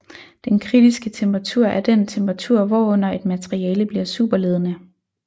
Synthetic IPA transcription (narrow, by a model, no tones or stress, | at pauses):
d̥enkʰʁid̥isɡ̥ət͡sʰemb̥ʰʁɑ̈t͡sʰuɐ̰ʔæɐd̥ent͡sʰemb̥ʁɑ̈t͡sʰuɐ̰ʋɒɔ̽n̰ɐe̝d̥mæt͡sʰʁiɛːləb̥liɐ̰sṵːb̥ɐle̝ːð̞ˠənə